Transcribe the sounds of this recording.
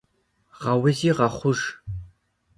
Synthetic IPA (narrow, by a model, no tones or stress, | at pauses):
ʁɐwɪziːʁɐχʷʊʒ